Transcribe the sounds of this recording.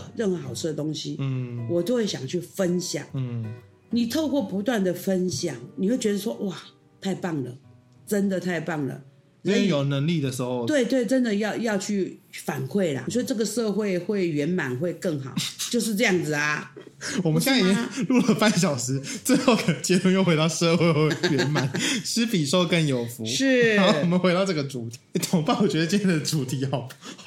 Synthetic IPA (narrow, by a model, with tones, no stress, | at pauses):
ɻə˥˩nxɤ˧˥xɑ˨˩ʊʂʰɻ̩˥˩d̪ə˩t̪o˥ŋɕi˦wɔ˨t͡ɕjo˥˧ʊxwe˥˩ɪɕjɑ̰˨˩ŋt͡ɕʰy˥˩fə˦nɕjɑ̰˨˩˦ŋ˥˩ | ni˨˩t̪ʰo˥˧ʊkwɔ˥˩pu˧˥t̪wa˥˩nd̪ə˩fə˦nɕjɑ˨˩ŋni˨˩xwe˥˩ɪt͡ɕɥɛ˧˥ə˧˩ʂwɔ˥ʔwa˥˩ | t̪ʰa˥˧ɪpɑ˥˩ŋlə̰˩ | ʈ͡ʂə˦˥nd̪ə˨t̪ʰa˥˧ɪpɑ˥˩ŋlə̰˩ | ɻə˧˥˧jo˨˩ʊnə˧˥ŋli˥˨d̪ə˩ʂɻ̩˧˦˥xo˥˧ʊt̪we˥˩ɪt̪we˥˩ɪʈ͡ʂə˦˥nd̪ə˨jɑ˥˧ʊjɑ˥˧ʊt͡ɕʰy˥˩fa˨˩nkʰwe˥˩ɪlɐ̰˩wɔ˥ʈ͡ʂɤ˥˩ɡə˨ʂɤ˥˧xwe˥˧ɪxwe˥˩ɪɥɛ˧˥nma˨˩nxwe˥˧ɪkɤ˥˩ŋxɑ˨˩˦ʊt͡ɕjo˥˧ʊʂ̬̩˥˧ʈ͡ʂɤ˥˧jɑ˥˩ŋd͡zɹ̩˩ɐ˩ | wɔ˨˩mə˦nɕjɛ˥lu˥˩lə˩pa˥˧nɕ̬jɑ˨˩ʊʂɻ̩˧˥t͡se˥˧ɪo˥˧ʊkə˨t͡ɕɛ˥t̪ʊ˥˧ŋjo˥˩ʊxwe˧˥ɪɑ˥˧ʊʂɤ˥˧xwe˥˧ɪxwe˥˩ɪɥɛ˧˦nma˨˩˦nʂɻ̩˥pi˨˩ʂo˥ʊkə˥˧njo˨˩ʊfu˧˦ʂɻ̩˥˩˧wɔ˨˩mə˦nxe˧˥ɪɾɑ˥˧ʊʈ͡ʂɤ˥˩ɡə˩ʈ͡ʂu˨˩t̪ʰi˨˦˥t̪ʰo˨˥˦ŋpa˥˩nwɔ˨˩t͡ɕɥɛ˧˥d̪ə˧t͡ɕjɛ˥˩nd̪ə˩t͡su˨˥t̪ʰi˧˥ɑ˨˩